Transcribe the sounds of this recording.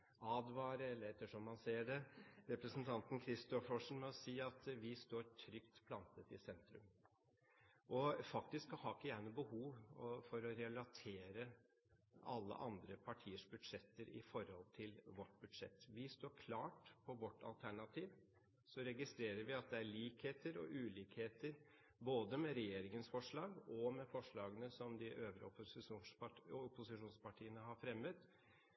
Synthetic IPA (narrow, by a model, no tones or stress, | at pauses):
ɑːd̪ʋɑːɾəɛlːəɾɛt̪ːəʂɔmːɑnseːəɖɛɾɛpɾəsn̩t̪ʰɑnt̪n̩kʰɾɪst̪ɔfɔʂn̩mɛɔsiːɑt̪ʋɪst̪oːɾʈʰɾʏkt̪pʰlɑnt̪ət̪ɪ̰sɛnt̪ɾʉ̰m | ʔɔfɑkt̪ɪskɔhɑːɪkːəjæːɳəbəhuːʋɔfɔɾɔɾɛlɑt̪ʰeːɾə | ɑ̰lːə̰ʔɑnd̪ɾəpʰɑʈʰiːəʂbʉd̪ʂɛt̪ːəɾɪ̰fɔɾhɔlt̪ʰɪlʋɔʈːbʉd̪ʂɛ̰t̪ːʋɪst̪oːɾkʰlɑːʈpʰɔʋɔʈʰːɑ̰lt̪ʰæɳɑt̪ʰiːʋ | sɔɾɛɡɪst̪ɾeːɾəɾʋɪɑt̪̚d̪ɛæɾɭiːkheːt̪əɾɔ̰ʔʉːliːkheːt̪əɾ | boːd̪əmɛɾɛjeːɾɪŋənsfɔʂɭɑːɡɔmɛfɔʂɭɑːɡənəsɔmd̪ɪʔøːʋəɾɔpsɪuːɔpːʊsɪʂuːnspɑʈʰiːənəɦɑɾfɾɛmːət̪